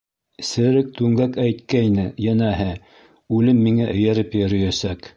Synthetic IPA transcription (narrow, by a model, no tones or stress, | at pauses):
sɘ̆ɾɘk̚t̪ʉŋɡækæjt̪̚kæjnɘjænæɦɘ | ʉlɘmːiŋæʔɘ̆jæɾɘpjæ̆ɾɵ̆jæsæk